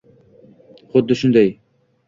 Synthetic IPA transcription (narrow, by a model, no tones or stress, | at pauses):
χʊd̪ːɪʃund̪ɛj